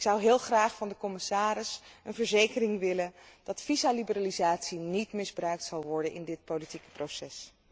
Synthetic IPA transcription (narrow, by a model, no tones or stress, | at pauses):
ɪksʌwɦɪːlˠχraːχfɑndəkɔmɪsaːɾɪsənvəɹzejkərɪŋʋɪlənd̥ɑtfizalibəraːlizaːtsinitmɪzbrœɥk̚tsɑlˠʋɔɹdənʔɪndɪt̚powlitikə̥prowsɛs